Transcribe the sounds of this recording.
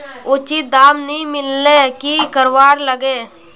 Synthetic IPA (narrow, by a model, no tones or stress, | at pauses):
ʊt͡ʃit̪̚d̪aːmnəɦĩmɪlːekikəɾʋaːɾləɡeː